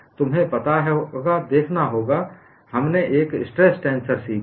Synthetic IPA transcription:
t̪ʊmɦẽpɐt̪aɦɛɡad̪eːkʰnaɦoːɡa | hɐmneʔeːkɪsʈɾesʈɛ̃ːnsəɾsiːk

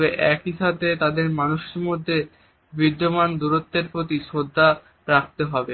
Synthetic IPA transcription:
beʔɛkiʃat̪ʰet̪ad̪eɾmanuʃeɾmod̪ʱːe | bid̪ːomand̪uɾot̪ːeɾpɾot̪̬iʃod̪ʱːa | ɾak̚t̪eɦɔbe

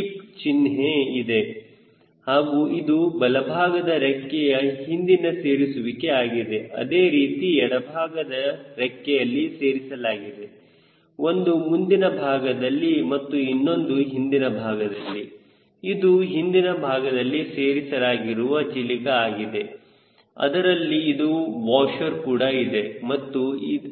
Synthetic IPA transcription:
ipt͡ʃinɦeid̪e̞ | haːɡuːid̪ubɐlɐbʱaːɡɐd̪ɐɾɛkːɛjɐhind̪inɐse̞ːɾisuʋike̞aːɡid̪e̞ʔɐ̰d̪eːɾiːt̪iɛɽɐbʱaːɡɐd̪ɐɾɛkːɛjɐlːise̞ːɾisɐlaːɡid̪e̞ | o̞nd̪umund̪inɐbʱaːɡɐd̪ɐlːimɐt̪ːuinːo̞nd̪uɦind̪inɐbʱaːɡɐd̪ɐlːi | id̪uɦind̪inɐbʱaːɡɐd̪ɐlːiseːɾisɐlaːɡiɾuʋɐt͡ʃilikɐaːɡid̪e̞ | ɐ̰d̪ɐɾɐlːiːd̪uʋaːʃɐɾkuːɽɐid̪e̞mɐt̪ːui

